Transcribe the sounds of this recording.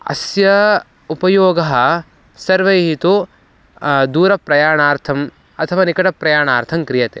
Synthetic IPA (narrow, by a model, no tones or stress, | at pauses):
ɐ̰sjɐ | upɐjoːɡɐɦɐ̆ | sɐɾʋɐjɐɦit̪u | d̪uːɾɐpɾɐjaːɳaːɾt̪ʰɐm | ɐt̪ʰɐʋaːnikɐʈɐpɾɐjaːɳaːɾt̪ʰɐmkɾijɐt̪ḛː